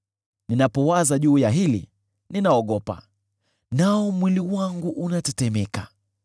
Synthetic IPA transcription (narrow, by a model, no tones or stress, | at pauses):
ninapɔwazaʄuːjaɦilḭ | ninaɔɠɔpa̰ | naɔmwiliwaŋɡuʔunatɛtɛmɛka